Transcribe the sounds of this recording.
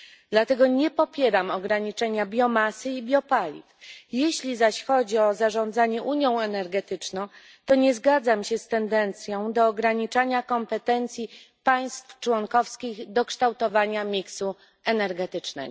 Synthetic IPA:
d̪lat̪ɛɡɔɲɛpɔpʲjɛɾamɔɡɾaɲit͡ʂɛɲabʲjɔmasɘibʲjɔpalʲḭfjeɕlʲizaɕxɔd͡ʑiɔzaʐɔnd̪zaɲɛʔuɲjɔ̃w̃ɛnɛɾɡɛt̪ɘt͡ʂnɔ̃w̃ | t̪ɔɲɛzɡad̪zamɕɛst̪ɛnd̪ɛnt̪sʲjɔ̃w̃d̪ɔːɡɾaɲit͡ʂaɲakɔmpɛt̪ɛnt̪sʲji | paj̃st̪ft͡ʂwɔŋkɔfskʲiɣd̪ɔkʂt̪awt̪ɔvaɲamʲiksu | ɛnɛɾɡɛt̪ɘt͡ʂnɛ̰

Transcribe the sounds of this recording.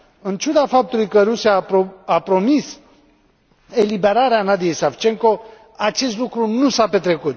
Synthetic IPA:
ɨnt͡ʃud̪afap̚t̪ulujkəɾusijaapɾo̞mis | elibe̞ɾaɾeanad̪ije̞jsaft͡ʃe̞ŋko̞ | at͡ʃe̞st̪lukɾunusape̞t̪ɾe̞kut̪̚

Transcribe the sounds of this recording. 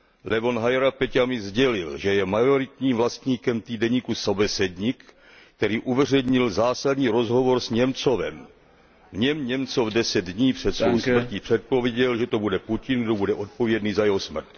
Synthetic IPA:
lɛvo̞nɦajɾapɛcamɪzɟɛlɪlʒɛjɛmajo̞ɾɪt̪ɲiːmvlast̪ɲiːkɛmt̪iːdɛɲiːkusobɛsɛdɲik | t̪ɛɾiːʔuvɛr̝ɛɲɪlzaːsadɲiːɾo̞zɦo̞vo̞ɾsɲɛmt͡so̞vɛ̰m | vɲɛmɲɛmt͡sovdɛsɛd̪dɲiːpr̝̥ɛt̪svownsmrcipr̝̥ɛt̪̚po̞vjɛɟɛlʒɛt̪o̞budɛpucɪnɡdo̞budɛʔo̞t̪̚po̞vjɛdniːzajɛɦo̞smr̩t̪

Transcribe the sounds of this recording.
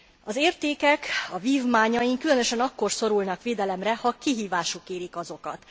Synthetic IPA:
ɒzeːrt̪eːkɛkɒviːvmaːɲɒjiŋkylø̞nøʃɛnɒkːo̞rso̞ɾulnɒkʋeːd̪ɛlɛmrɛhɒkiɦiːvaːʃukeːɾikɒzo̞kɒ̰t̪

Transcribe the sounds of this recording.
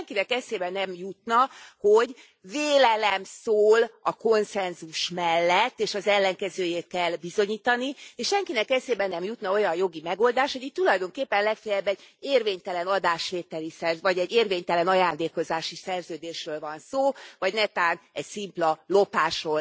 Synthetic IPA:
ŋkinɛkɛseːbɛnɛmjut̪nɒho̞ɟ | veːlɛlɛmsoːlɒko̞nsɛnzuʃmɛlːɛt̪ːeːʃɒzɛlːɛŋkɛzøːjeːt̪̚kɛlbizo̞ɲiːt̪ɒnieːʃʃɛŋkinɛkɛseːbɛnːɛmjut̪nɒo̞jɒjo̞ɡimɛɡo̞ld̪aːʃtho̞ɟit̪ːulɒjd̪o̞ŋkeːpːɛnlɛkfɛjɛbːɛɟeːrveːɲt̪ɛlɛnɒd̪aːʃʋeːt̪ːɛlisɛrzvɒɟɛɟːeːrveːɲt̪ɛlɛnɒjaːnd̪eːko̞zaːʃisɛrzøːd̪eːʃrøːlvɒnsoːvɒɟnɛt̪aːnɛɟsimplɒlo̞paːʃroːl

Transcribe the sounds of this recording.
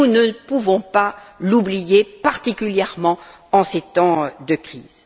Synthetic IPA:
unəpuvɔ̃palublijepaʁt̪ikʲyljɛʁmɑ̃ | ɑ̃set̪ɑ̃d̪əkχiːz̥

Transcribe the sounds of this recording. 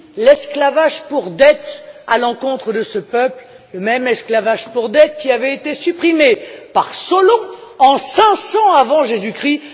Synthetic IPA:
lɛsklavaʒpuʁd̪ɛt̪alɑ̃kɔ̃t̪χəd̪əsəpœpl | ləmɛmɛsklavaʒpuʁd̪ɛt̪kʲiavɛet̪esypχimepaʁsɔlɔ̃ɑ̃sɛ̃sɑ̃avɑ̃ʒezykχi

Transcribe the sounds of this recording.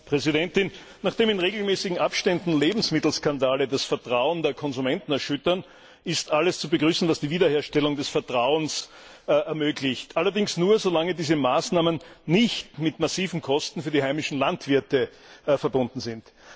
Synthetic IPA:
pʁ̥ɛzɪdɛntɪn | naːχd̥eːmɪnʁeːɡl̩mɛːsɪɡŋ̩ʔapʃtɛndn̩leːbm̩smɪtl̩skandaːlədasfɛɐtʁ̥aʊəndeːɐkʰɔnzumɛntn̩ɛɐʃʏtɐn | ɪstʔaləst͡subəɡʁyːsn̩vasd̥iːviːdɐheːɐʃtɛlʊŋdɛsfɛɐtʁ̥aʊənsʔɛɐmøːɡlɪçtʔalɐdɪŋsnuːɐzolaŋədiːzəmaːsnaːmənːɪçtmɪtmasiːvn̩kʰɔstn̩fyːɐdiːhaɪmɪʃn̩lantv̥ɪɐtə | fɛɐbʊndn̩zɪnt

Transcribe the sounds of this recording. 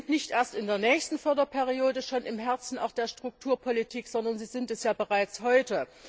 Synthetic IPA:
ntnɪçtʔeːɐstɪndeːɐnɛːçstn̩fœɐdɐpʰɛːʁioːdəʃoːnʔɪmɦɛɐt͡sn̩aʊxd̥eːɐʃtʁ̥ʊk̚tʰuːɐpʰɔlitʰiːkz̥ɔndɐnziːzɪntɛsjaːbəʁaɪt͡shɔʏtə

